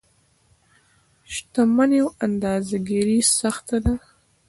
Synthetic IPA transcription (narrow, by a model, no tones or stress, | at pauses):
ʃt̪amanjawand̪ɑzaɡiɾisaxt̪ad̪a